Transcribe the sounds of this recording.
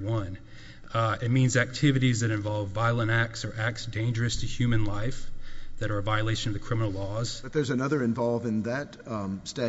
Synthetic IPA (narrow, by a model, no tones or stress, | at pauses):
wʌ̃n | ɪt̚mĩnzæk̚tʰɪvɨɾizðɨɾɨ̃ɱvɑlˠvːaɪlˠə̃ɾ̃æk̚tsə˞ʔæk̚tsd̥ẽɪ̃nd͡ʒə˞ɨstʰɨhjʉmɨ̃nlaɪfðɨɾə˞ɨvaɪɨleɪʃɨ̃nʌvðɨkʰɹ̥ɪ̃mənl̩ˠlɔz̥ʌt̪̚ðə˞zɨnʌðə˞ɨ̃ɱvɑlˠvɨ̃nðɨt | stæ